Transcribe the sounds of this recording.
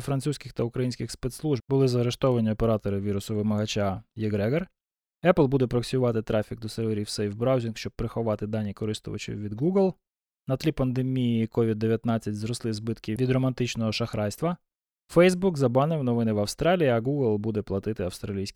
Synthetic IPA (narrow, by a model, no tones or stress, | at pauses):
fɾɐnt̪susʲkʲɪxt̪ɐʊkɾɐjinʲsʲkʲɪxspet̪slˠuʒbbʊlˠɪzɐɐɾeʃt̪ɔʋɐnʲiɔpeɾɑt̪ɔɾɪʋʲiɾʊsʊʋɪmɐɦɐt͡ʃajeɡɾɛɡɐr | ɛplˠbud̪ɛpɾɔksʲʊʋɑt̪ɪt̪ɾɑfʲiɡ̚d̪ɔseɾʋeɾʲiwsɛjwbɾɑwzʲinkʃt͡ʃɔb̚pːɾɪxɔʋɑt̪ɪd̪ɑnʲːikɔɾɪst̪ʊ̰ʋɐ̰t͡ʃɪ̰ʋʲid̪ɡuɡlˠ | nɐt̪lʲipɐnd̪emʲijikɔʋʲid̪ːeʋʲjɐt̪nɑt͡sʲːɐtʲzɾɔslˠɪzbɪt̪kɪʋʲid̪ɾɔmɐnt̪ɪt͡ʃnɔɦɔʃɐxɾɑjst̪ʋɐ | fɛjzbukzɐbɑnɪwnɔʋɪnɪʋɐwst̪ɾɑlʲijiɐɡuɡlˠbud̪ɛplˠɐt̪ɪt̪ɪɐwst̪ɾɐlʲijsʲkʲ